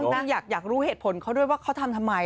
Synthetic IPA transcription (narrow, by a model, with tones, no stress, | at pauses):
jaː˨˩k̚jaː˨˩k̚ɾuː˦˥heː˨˩t̪̚pʰo˨˩˦nkʰa˦˥wdu˥˩əjwaː˥kʰwt̪ʰa˧mt̪ʰa˧mːa˧